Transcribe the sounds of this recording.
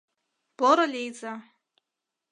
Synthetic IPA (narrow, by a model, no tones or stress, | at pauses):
b̥oɾalʲejd͡za